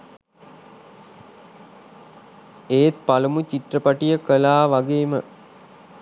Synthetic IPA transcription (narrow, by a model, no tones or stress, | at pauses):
eːt̪̚palumut͡ɕiʈrəpaʈijəkəlaːʋaɡeːmə